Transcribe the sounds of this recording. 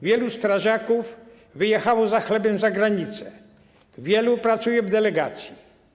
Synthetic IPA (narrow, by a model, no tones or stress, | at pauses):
vʲjɛlust̪ɾaʐakuv | vɘjɛxawɔzaxlɛbɛmzaɡɾaɲit̪sɛ | vʲjɛlupɾat̪sujɛvd̪ɛlɛɡat̪sʲji